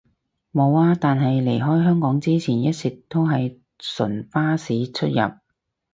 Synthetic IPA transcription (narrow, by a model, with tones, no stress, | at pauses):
mo˨˧waː˧t̪aː˨nɦɐ˨jle˨˩jɦɔː˥jɦœː˥ŋkɔː˨˥ŋt͡siː˥t͡sʰiː˨˩njɐ˥t̚sɪ˨k̚t̪o˥wɦɐ˨j | sɵ̰˨˩nfaː˥siː˨˥t͡ʃʰɵ˥t̚jɐ̰˨p̚